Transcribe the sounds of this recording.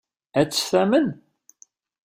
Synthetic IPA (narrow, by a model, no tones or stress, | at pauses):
æt͡sːə̥sθæmən